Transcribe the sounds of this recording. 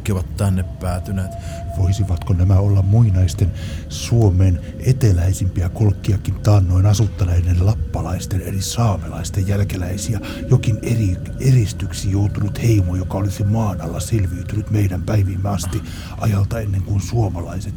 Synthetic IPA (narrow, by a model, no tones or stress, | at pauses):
kːˑeʋɑt̪t̪ænːeppæːt̪yneːt̪ | ʋoisiʋɑt̪konæmæolːɑmmuinɑist̪ensuomeːn | et̪elæisimpiækolkːiɑkint̪ɑːnːoinɑsut̪ːɑnɑenːellɑpːɑlɑist̪enḛrisɑːmelɑist̪ejjælkelæisiæ | jokineri | erist̪yksijout̪unut̪heimojokɑolisimɑːnɑlːɑsilʋiːt̪ynyt̪meidæmpæiʋimːeɑst̪i | ʔɑjɑlt̪ɑenːeŋkunsuomɑlɑiset̪